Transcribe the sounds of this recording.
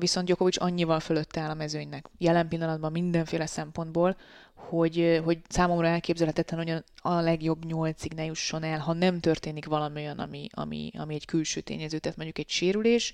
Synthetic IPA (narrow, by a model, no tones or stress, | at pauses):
visonɟoko̞vit͡ʃɒ̰ɲːivɒlføløt̪ːɛaːlɒmɛzøːɲnɛkjɛlɛmpilːɒnɒd̪̚bɒmːind̪ɛɱfeːlɛsɛmpo̞nd̪̚boːlho̞ɟɦo̞ɟsaːmo̞mrɒɛlkeːbzɛlhɛt̪ɛt̪ːɛnoɟɒnɒlɛɡjo̞bːɲo̞lt̪siɡnɛjuʃːo̞nɛlɦɒnɛmt̪ø̞rt̪eːnikʋɒlɒmiojɒnɒ̰miɒ̰mḭɒ̰miɛɟkylʃø̰ːt̪ḛːɲɛzøːt̪ɛaːt̪mo̞ɲɟukɛɟʃeːɾyleːʃ